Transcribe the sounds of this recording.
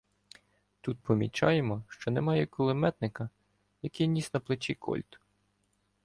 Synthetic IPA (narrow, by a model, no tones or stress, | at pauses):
t̪ut̪̚pɔmʲit͡ʃɑ̰jemɔʃt͡ʃɔnɛmɑjɛkɔlˠɪmɛt̪nɪkɐ | jɐkijnʲisnɐplˠɪt͡ʃikʰɔ̰lʲt̪